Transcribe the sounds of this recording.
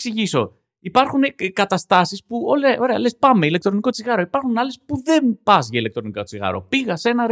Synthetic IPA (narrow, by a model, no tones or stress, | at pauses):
ksiʝiso̞̰ | ipɐɾxunkɐt̪ɐst̪ɐsispuoleɐʔo̞ɾe̞ɐ̰le̞spɐmeilek̚t̪ɾo̞niko̞t͡siɣɐɾo̞ipɐɾxunɐle̞spuðe̞mpɐzʝɐile̞k̚t̪ɾo̞niko̞t͡siɣɐ̰ɾo̞̰piɣɐse̞nɐɾ